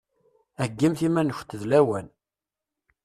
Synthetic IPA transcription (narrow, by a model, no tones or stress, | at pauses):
æɡːimθimænəç̥t̪ːəðlæwæn